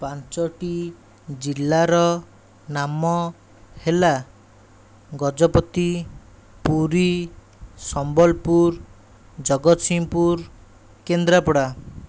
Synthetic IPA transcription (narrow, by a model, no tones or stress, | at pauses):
pant͡ʃɔʈi | d͡ʒilːaɾɔ | namɔ | hela | ɡɔd͡ʒɔpɔt̪i | puɾi | sɔmbɔlpuɾ | d͡ʒɔɡɔt̪simpuɾ | kend̪ɾapɔɽa